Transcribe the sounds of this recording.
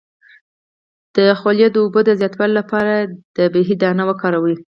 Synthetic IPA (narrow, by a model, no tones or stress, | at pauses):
d̪̥əxoljad̪əobod̪əzjɑt̪wɑlolapɑɾad̪̥əbeɦid̪anawakɑɾawi